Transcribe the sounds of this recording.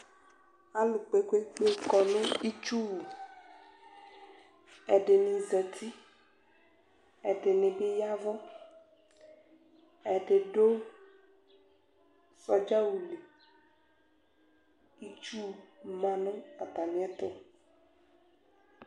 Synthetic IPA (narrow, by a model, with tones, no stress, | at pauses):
a˦lu˨k͡pe˦kʷe˦k͡pe˦˨kɔ˨nʊ̃˦i˦t͡ʃu˦u˨ | ɛ˨ɖe˨nĩ˨zɛ˨t̪ʰi˦ | ɛ˨ɖe˨nɪ̃˨be˦ja˦vɔ˦ | ɛ˨ɖe˨ɖo˦ | sɔ˦d͡ʒa˦wu˨li˨ | i˦t͡ʃu˦˨mã˨nʊ̃˦a˨t̪a˨nĩ˨˦ɛ˦t̪ɔ˦